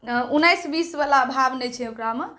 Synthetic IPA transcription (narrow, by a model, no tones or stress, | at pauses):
unajsbisbalaəbʱabnɛt͡ʃʰɛokɾame